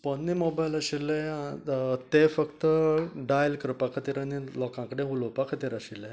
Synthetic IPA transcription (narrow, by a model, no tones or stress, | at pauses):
pənːimobajlaɕilːe | t̪efəkt̪əɖajlkəɾpakʰət̪iːɾanilɔkãkəɽẽɦulopakʰət̪iːɾaɕilẽ